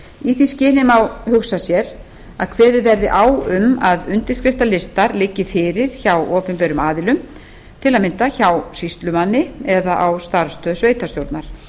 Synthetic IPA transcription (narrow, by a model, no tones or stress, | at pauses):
iθiscɪːnɪmawhʏxsasjɛɾ | aðkʰvɛːðɪvɛɾðɪʔaːwʏmaðʏnt̪ɪ̥skɾɪft̪alɪst̪aɾlɪcːɪfɪːɾɪɾ̥çawʔɔːpɪmpɛɾʏmaːðɪlʏm | t̪ʰɪlaðmɪnt̪açawsist̪lʏmanːɪɛðaʔawst̪aɾ̥st̪ʰœsveːjt̪ast̪jowɾt̪naɾ̥